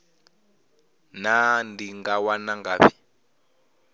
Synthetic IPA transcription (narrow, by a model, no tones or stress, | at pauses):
nandiŋɡawanaŋɡaːβi